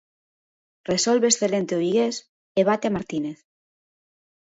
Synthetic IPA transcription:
resolβeːsθe̞lent̪eoβiɣes | eβ̞at̪eamaɾt̪ineθ

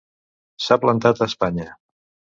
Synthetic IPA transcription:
saplənt̪at̪əspaɲə

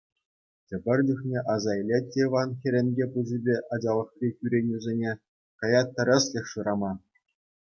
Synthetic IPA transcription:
tʲɘ̆bʲɘ̆rʲdʲuxnʲeʔɑzɑjlʲetʲːeiʋɑnxʲĕɾʲenʲɡʲepuzʲibʲeʔɑd͡ʑɑlˠɤ̆χrʲikʲyɾʲenʲuzʲenʲe | kɑjɑt̪ːɑ̆ɾʲɘ̆sʲlʲɘ̆xʲʂɯɾɑmɑ

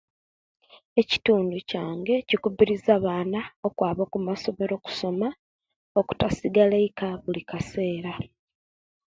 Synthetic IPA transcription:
e̞ci̥tuːnducaːŋɡe̞cikubiɾizaβaːnao̞kwaːβokumaso̞me̞ɾo̞ku̥so̞ma | o̞ku̥tasiɡaleikaβulikase̞ːɾa

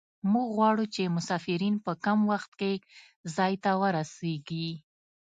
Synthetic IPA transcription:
muɡɣwɑɽut͡ʃemʊsɑfɪɾinpəkamwaxt̪̚ke | zɑjt̪awəɾaseɡi

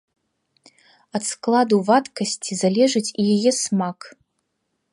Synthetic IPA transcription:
ɐt̪sklˠad̪uvat̪kɐsʲt͡sʲizalʲɛʐɨt͡sʲijajɛsmak

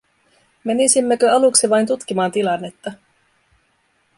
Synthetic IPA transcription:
menisimːekøɑluksiʋɑjnt̪ut̪k̟imɑːnt̪ilɑnːe̞t̪ːɑ

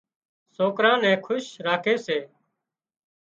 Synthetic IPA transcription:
soːkɾãːnɛ̃ːkʰʊʃɾaːkʰeːseː

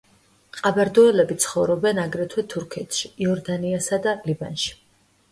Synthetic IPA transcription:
qʼabaɾd̪ɔɛlɛbit̪sʰχɔvɾɔbɛnaɡɾɛt̪ʰwɛt̪ʰuɾkʰɛt̪ʰʃiːɔɾd̪aniasad̪aliba̰nʃi̥

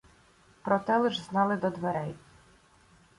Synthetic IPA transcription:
pɾɔt̪ɛlˠɪʒznɑlˠɪd̪ɔd̪ʋeɾɛj

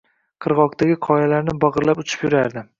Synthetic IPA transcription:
qʰɨɾʁɒkt̪ʰaɡʲɪqʰɒjalaɾnɪbɑɒʁɨɾlapʊt͡ʃʰɪ̥pjʊɾaɾd̪ɪ

